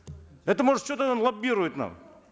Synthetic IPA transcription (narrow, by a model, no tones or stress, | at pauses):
ɛt̪əmoʐɨt̪t͡ɕʲot̪ənanlˠɐbʲiɾʊjɪt̪na̰m